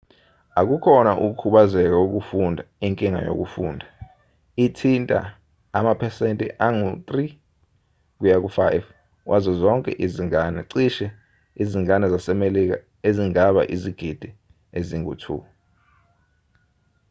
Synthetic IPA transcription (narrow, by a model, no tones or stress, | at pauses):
ak̬ukʰɔnaʔuk̬ukʰuɓazɛk̬auk̬ufundʱaiŋkʼiŋa̰jo̰k̬ufuːndʱa | itʰintʼa̰ː | mapʰɛsentʼḭʔaŋut̪ʼri | k̬ujak̬ufajv | kwʔazɔzɔŋkʼɛ̰ʔiziŋanɛǀiʃɛ | iziŋanɛzasɛmelik̬a̰ | eziŋaɓa̰ʔiziɡ̥ʱid̥ʱi | eziŋṵtʰṵ